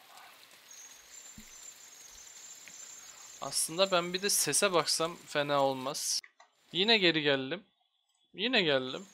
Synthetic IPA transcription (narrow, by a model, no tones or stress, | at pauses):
a̰slˠɯnd̪abænbid̪ɛse̞sɛbaksamfenaːolˠmaz̥ | jinɛɟe̞ɾiɟælʲd̪im | jinɛɟælʲd̪im